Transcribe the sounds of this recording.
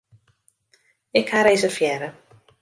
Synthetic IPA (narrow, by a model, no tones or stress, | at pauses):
ɪkhaɾeːzəfjɛɾə